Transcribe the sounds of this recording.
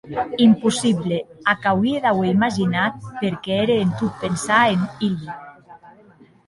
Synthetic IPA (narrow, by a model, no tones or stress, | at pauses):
impusiβleakawiðaweimaʒinat̪̚peɾkɛeɾeːnt̪ut̪̚pensaenili